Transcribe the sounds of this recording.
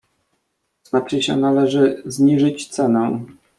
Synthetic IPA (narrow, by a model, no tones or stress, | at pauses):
z̥nat͡ʂɘɕɛ̰nalɛʐɘzɲiʐɘt͡ɕt̪sɛnɛ